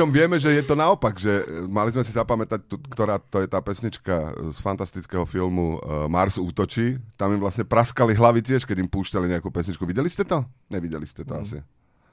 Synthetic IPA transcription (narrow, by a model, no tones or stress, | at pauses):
ɔmʋɪɛmɛʒɛjɛt̪ɔnaɔpaɡʒɛmalizmɛsizapamɛt̪ac̚t̪ukt̪ɔɾaːt̪ɔjɛt̪aːpɛsɲit͡ʃkasfant̪ast̪it͡skɛɦɔfilmumaɾzuːt̪ɔt͡ʃiːt̪amimʋlasɲɛpɾaskaliɦlaʋit͡siaʃkɛɟimpuːʃcaliɲɛakuːpɛsɲit͡ʃkuʋiɟɛliscɛt̪ɔɲɛʋiɟɛliscɛt̪ɔasi